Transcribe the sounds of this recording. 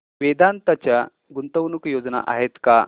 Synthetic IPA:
ʋed̪ant̪at͡ɕja | ɡunt̪əʋnukjod͡zna̰ʔa̰ɦet̪ka

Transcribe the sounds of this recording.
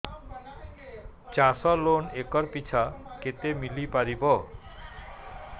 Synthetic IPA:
t͡ɕasɔlonekɔɾpit͡ɕʰaket̪emilipaɾibɔ

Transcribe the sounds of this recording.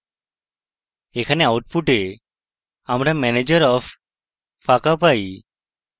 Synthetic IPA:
ɛkʰaneawʈ̚pʰuʈe | amɾamɛned͡ʒɔɾɔpːʰ | akapaj

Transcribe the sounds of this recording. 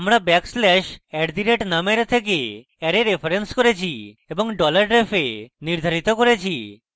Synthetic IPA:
amɾabɛkslɛʃɛʈd̪iɾeʈnameɾt̪ʰek̬e | ɛɾeɾepʰaɾenskoɾet͡ɕʰi | eboŋɖɔlaɾɖɾepʰeniɾd̪ʱaɾit̪okoɾet͡ɕʰi

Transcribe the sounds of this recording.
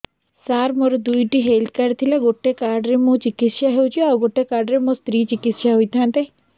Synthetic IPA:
saːɾmoɾod̪uiʈiɦeːlt̪̚kɐɾt̪ʰilaɡoʈːekaːɾɖɾemũt͡ʃɪkɪt̪ʃaɦeut͡ʃioaɡoʈːekaːɾɖɾemõst̪ɾiːt͡ʃɪkɪsʃaɦuit̪ʰãnt̪e

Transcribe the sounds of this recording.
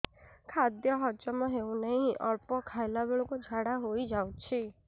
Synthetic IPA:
kʰad̪jɔɦɔd͡ʒɔmɔ̃ɦeũnəɦĩʔɔɾpɔkʰajlabeɭukud͡ʒʱaɽaɦoid͡ʒaw̃t͡ʃʰi

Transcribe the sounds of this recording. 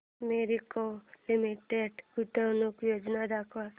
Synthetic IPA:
meːɾikolimiʈeɖkuʈanukjoːd͡ʒnad̪akʰʋa

